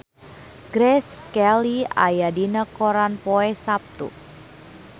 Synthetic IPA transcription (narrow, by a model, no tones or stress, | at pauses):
ɡ̥ɾɛskɛlia̰jadinəkoɾanpɔɛsap̚t̪ṵ